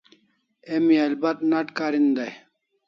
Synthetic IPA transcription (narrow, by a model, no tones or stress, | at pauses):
emiɐlbɐt̪̚nɐʈkaːɾind̪ɐj